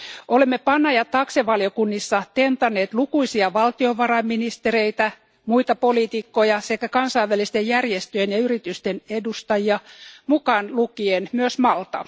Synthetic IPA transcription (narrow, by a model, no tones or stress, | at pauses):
ʔolemːepɑnːɑjɑt̪ɑkseʋɑljokunːisːɑt̪ent̪ɑnːeːt̪lukuisiɑʋɑlt̪ioʋɑrɑimːinist̪eɾeit̪æ | muit̪ɑpoliːt̪ikːojɑsekːækɑnsɑiʋælˑist̪ejjærjest̪øjenjɑyrit̪yst̪enedust̪ɑjiɑmukɑnlukienmyøsmɑlt̪ɑ̰